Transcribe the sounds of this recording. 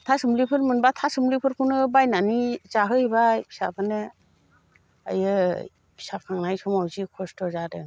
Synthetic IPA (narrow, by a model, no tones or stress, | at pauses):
tʰasɯmlipʰɯɾmɯnbatʰasɯmlipʰɯɾkʰunɯbajnanizaɦɯibabʰi̥sabʰane | a̰jɯ | bʰi̥sap̚kʰaŋnajsɔmawzikʰɔstʰɔzadɯ̰